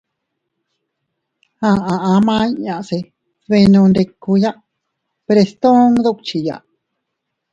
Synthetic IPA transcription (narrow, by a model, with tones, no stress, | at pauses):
hã˧ã˨ʔã˧˦mã˦i˦ɲã˧ʔse˧ | ðβẽ˧nũ˧nd̪e˧kːu˧ja˦ʔ | pɾe˧st̪õ˦ŋðu˦˨kt͡ʃi˨ja̰˨ʔ